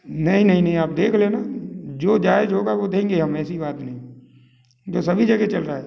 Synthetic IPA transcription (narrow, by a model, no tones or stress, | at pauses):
nɐɦĩnɐɦĩnɐɦĩaːp̚d̪eːkʰlẽnad͡ʒoːd͡ʒaːed͡ʒɦoːɡaʋod̪ẽːŋɡeɦɐmɛːsibaːt̪nɐɦĩ | d͡ʒoːsɐbʱid͡ʒɐɡet͡ʃɐlɾaːɦɛː